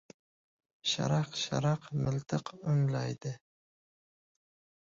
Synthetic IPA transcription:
ʃa̰ɾɑqʃa̰ɾɑqmɪlt̪ʰɨqʊnlɑjd̪ɪ

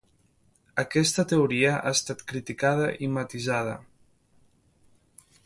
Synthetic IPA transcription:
əkɛst̪ət̪euɾiəʔa̰est̪at̪kɾit̪ikaðəʔimat̪izaðə̰

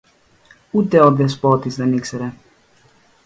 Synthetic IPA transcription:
ut̪ɛɔd̪ɛs̬pɔt̪isd̪aniksɛɾɛ

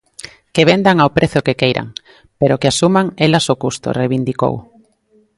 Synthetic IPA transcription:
keβ̞end̪aŋawpɾʔeθokekejɾʔa̰ŋ | peɾokeasumaŋelasokust̪o̰rejβind̪iko̰w

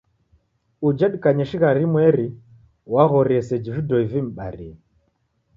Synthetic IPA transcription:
ud͡ʒaɗikaɲɛʃiɣaɾimwɛɾi | waɣɔɾiɛsɛd͡ʒividɔivim̩ɓa̰ɾḭɛ

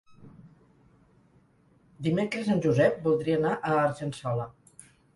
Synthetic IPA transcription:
d̪imekɾəsanʲʒuzɛp̚bulˠd̪ɾiənaʔəːɾʒənsɔlə

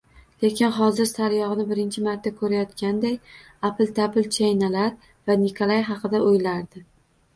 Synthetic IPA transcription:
lekʲɪnχɒzɪɾsaɾjɒʁɨnɪbɪɾɪnt͡ʃʰɪmaɾt̪ʰːakʰɵɾajɒt̪kʲand̪aj | apɪlt̪ʰapɪlt͡ʃʰajnalaɾ | vanɪkʰolˠajɦɑqɨd̪aojlaɾd̪ɪ

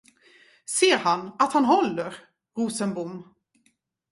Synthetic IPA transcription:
seːɾhanat̪hanɦɔlːəɾ | ɾuːsənbʊm

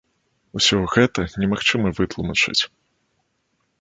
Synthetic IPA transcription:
usʲɔɣɛt̪ɐnʲɛmaxt͡ʂɨmɐvɨt̪lˠumɐt͡ʂɨ̰t͡sʲ

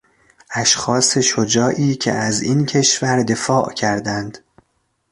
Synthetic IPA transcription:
ʔæʃxɒːse̞ʃod͡ʒɒːʔiːcʰḛʔæzincʰe̞ʃvæɾd̪e̞fɒːʔcʰæɾd̪ænd̪̥

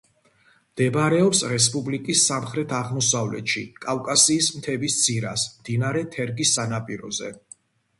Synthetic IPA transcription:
md̪̥ɛbɾɛɔpsɾɛs̬pʼublikʼisːamχɾɛt̪ʰaʁmɔsavlɛ̰t̪ʃḭkʼafkʼasiːsmt̪ʰɛbist̪sʰiɾa̰smd̪̥inaɾɛt̪ʰɛɾɡisːanapʼiɾɔ̰zɛ̰

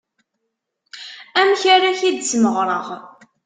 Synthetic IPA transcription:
æmçaɾaçid̪t͡sməʁɾˤəʁ

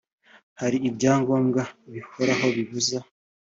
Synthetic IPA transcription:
haɾiːbɟaːŋɡo̞ːmɡaβihoɾaɦo̞βiβuza

